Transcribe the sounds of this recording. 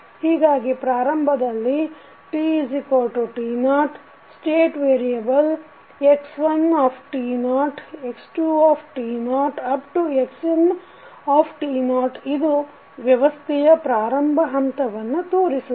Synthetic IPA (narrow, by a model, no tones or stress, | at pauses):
hiːɡaːɡipɾaːɾɐmbʱɐd̪ɐlːi | ʈid͡ʒikoːɾʈuʈiːnaːʈ | sʈeːʈʋeːɾijɐbɐl | eksʋɐnaːpʰʈiːnaːʈeksʈuːaːpʰʈiːnaːʈɐp̚ʈueksin | aːpʰʈiːnaːʈid̪u | ʋjɐʋɐst̪ʰɛjɐpɾaːɾɐmbʱɐɦɐmt̪ɐʋɐnːut̪oːɾisu